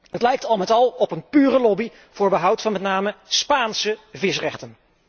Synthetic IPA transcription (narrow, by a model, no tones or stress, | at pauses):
ətlɛjk̚tɑlˠmɛtɑlˠɔpənpyːrəlɔbi | v̥ʊːɹbəɦʌwtfɑnmɛtnaːməspaːnsəvɪsrɛχtən